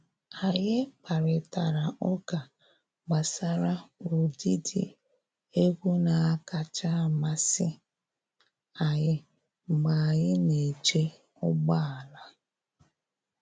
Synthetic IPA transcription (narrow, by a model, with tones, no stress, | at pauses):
a˨jɪ˦k͡pa˨ɾɪ˨ta˨ɾa˨ɔ˦ɡa˨ | ɡ͡ba˨sa˦ɾa˦o˨di˦dɪ̰˦ | e˦ɡʷu˦na˨a˦ka˨t͡ʃa˦˨ma˨sɪ˦ | a˨jɪ˦ | ŋ͡m̩˨ɡ͡ba˨jɪ˦ne˨t͡ʃe˦ | ʊ˦ɡ͡ba˦a˨la˦